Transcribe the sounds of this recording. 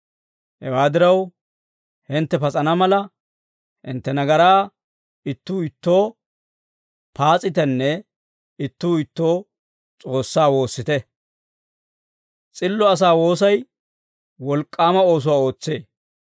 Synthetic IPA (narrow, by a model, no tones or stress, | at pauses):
hɛ̰waːd̪ɪɾɐw | hɪnt̪ːɛpɐt͡sʼɐnɐmɐlɐ | hɪ̰nt̪ːɛnɐɡɐɾaː | ɪt̪ːuːɪt̪ːo̞ː | paːt͡sʼɪt̪ɛnːɛ | ɪt̪ːuːɪt̪ːo̞ː | t͡sʼo̞ːsːaːwo̞ːsːɪt̪ɛ | t͡sʼɪlːɔɐs̬aːwo̞ːs̬ɐj | wɔlkʼːaːmɐo̞ːs̬ʊwaːo̞ːt͡sːe̞ː